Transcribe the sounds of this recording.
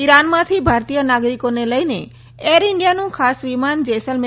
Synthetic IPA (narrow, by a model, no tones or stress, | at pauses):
iɾanmat̪ʰibʱaɾt̪ijɔnaɡɾikoneləjnḛ | eɾiɳɖijanũkʰasbimand͡ʒesəlme